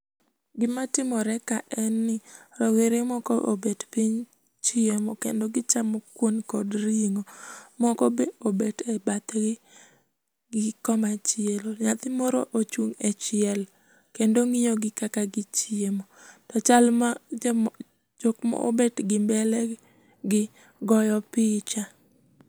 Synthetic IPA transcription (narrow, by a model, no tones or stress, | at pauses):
ɡɪmatɪmɔɾɛkaʔɛnːɪɾɔweɾɪmɔkɔʔo̰betpiɲ | t͡ʃɪemɔkḛndoɡɪt͡ʃamɔkwonkɔdɾiŋomɔkɔbeobetɛbat̪ɡɪ | ɡɪkɔmat͡ʃɪeloɲat̪ɪmɔɾo̰ʔot͡ʃuŋɛt͡ʃɪɛl | kendoŋijoɡɪkakaɡɪt͡ʃɪemotɔt͡ʃalmad͡ʒ | d͡ʒokmɔ̰ʔo̰betɡɪmbɛlɛ | ɡɪ | ɡɔjɔpɪt͡ʃa